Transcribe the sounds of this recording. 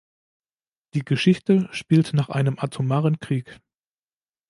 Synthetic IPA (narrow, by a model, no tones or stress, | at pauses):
d̥iːɡəʃɪçtəʃpiːltnaːχʔa̰ɪnəmʔatʰumaːʁənkʁ̥iːk